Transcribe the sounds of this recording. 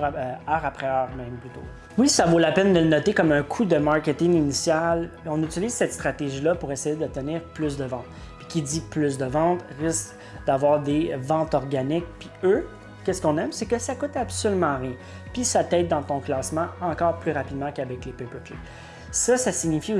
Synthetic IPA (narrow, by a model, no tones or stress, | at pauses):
œːʁapχɛœːʁmɛ̃mplyt̪o̰ | wisavolapɛnd̪əlnɔt̪ekɔmœ̃kʰud̪əmaʁkʲet̪ɪ̃ŋinisjal | ɔ̃nyt͡siliːz̥sɛt̪st̪χat̪eʒilʌpuʁesɛjed̪ət̪əniːʁplʏs̬d̪əvɑ̃t̪ | pi̥kʲid͡ziplys̬d̪əvɑ̃t̪ʁɪsk | d̪avwaːʁd̪evɑ̃t̪ɔʁɡanɪk̚piø | kʲɛskɔ̃nɛmsekəsakʊt̪absolymɑ̃ʁjɛ̃ | pisat̪ɛt̪̚d̪ɑ̃t̪ɔ̃klɑːsmɑ̃ɑ̃kɑːʁplyʁapid̪mɑ̃kavɛklepepøklḛ | sʌsasiɲifi